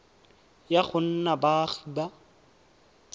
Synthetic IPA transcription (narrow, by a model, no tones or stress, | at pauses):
jaχʊn̩nabaχiba